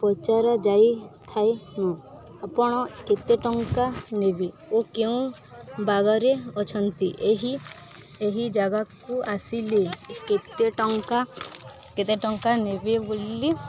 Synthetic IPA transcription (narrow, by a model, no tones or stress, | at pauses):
pɔt͡ʃaɾɔd͡ʒajt̪ʰaenɔ̃ | apɔɽ̃ɔket̪eʈɔŋkanebi | okeũ | baɡɔɾeɔt͡ʃʰɔnt̪iʔeɦi | eɦid͡ʒaɡakuʔasiliket̪eʈɔŋkaket̪eʈɔŋkanebebolːi